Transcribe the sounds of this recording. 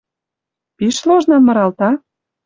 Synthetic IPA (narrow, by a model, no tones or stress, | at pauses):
piʃloʒnɑmːɤ̆ɾɑlt̪ɑ